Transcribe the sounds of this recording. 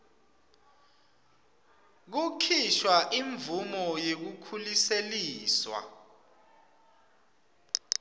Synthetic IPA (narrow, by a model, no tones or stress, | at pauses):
k̬ukʰiʃwaʔiɱvumɔjek̬ukʰuliseliːswa̰